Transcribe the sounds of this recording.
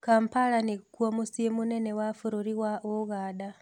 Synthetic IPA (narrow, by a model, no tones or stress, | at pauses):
kaːmpalanikwomusiemunenewafuɾuɾiwaʔoɣaːda